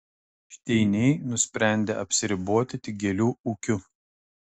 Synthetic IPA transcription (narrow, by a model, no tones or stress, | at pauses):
ʃʲt̪ʲɛɪnʲɛɪnʊsʲpʲɾʲæˑnʲd̪ʲeɐpʲsʲɪɾʲɪboɔt̪ʲɪt̪ʲɪɡʲɛlʲuːukʲʊ